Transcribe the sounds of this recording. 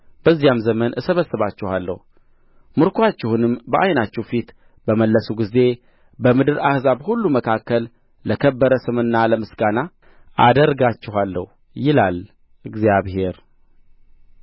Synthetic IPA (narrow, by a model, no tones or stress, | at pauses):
b̥əzːijamzəmənʔɨsəβəsːɨβat͡ʃːɪhalːə̰hu | mɨɾkʰoat͡ʃːɛhunɨmbəʔajnat͡ʃːɛwfit̪ | bəməlːəsuɡize̞ | bəmɨd̪ɨɾahzaβhulːuməkʰakːəlː | əkʰəbːəɾəsɨmɨnːaləmɨsɡana | ʔa̰d̪əɾɡat͡ʃːɪɦalːə̰hu | jɪlal | ɨɡzijaβhe̞ɾ